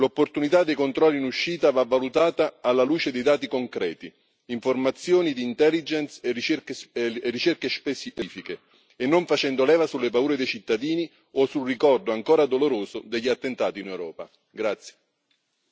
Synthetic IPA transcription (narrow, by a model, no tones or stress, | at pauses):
lopːort̪unit̪ad̪ːejkont̪ɾɔlːinuʃːiːt̪avavːalut̪aːt̪aːlːaluːt͡ʃed̪ejd̪aːt̪ikoŋkɾɛːt̪i | iɱformat̪sjoːnid̪iːnt̪ɛlːid͡ʒɛnset͡ʃekserːit͡ʃerkespesiiːfikeː | nːoɱfat͡ʃɛnd̪olɛːvasulːepauːɾed̪ejt͡ʃit̪ːad̪iːni | osulrikɔrd̪oaŋkoːɾad̪oloɾoːzʊd̪eʎːat̪ːent̪aːt̪inewɾɔːpa̰ | ɡɾat̪sːje̥